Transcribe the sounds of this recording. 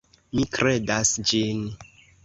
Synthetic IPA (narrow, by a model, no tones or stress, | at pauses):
mikɾedasd͡ʒin